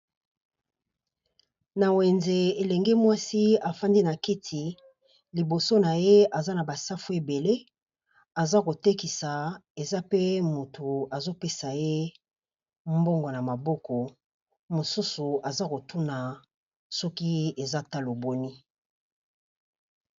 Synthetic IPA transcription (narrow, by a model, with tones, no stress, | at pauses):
na˨we˨nze˨e˨lɛ˨ŋɡe˦mwa˦si˦a˨fa˦ndi˦na˨ki˦tʰi˨ | li˨bo˨so˦na˨je˦a˨za˦na˨ba˨sa˦fu˦e˨be˨le˦ | a˨za˦ko˨te˦ki˨sa˨e˨za˦pe˦mo˨tu˨a˨zo˦pe˦sa˨je˦ | mbo˦ŋɡo˨na˨ma˨bɔ˦kɔ˨ | mo˨su˦su˨a˨za˦ko˨tu˦na˨ | sɔ˦ki˦e˨za˦ta˦lo˨bo˦ni˦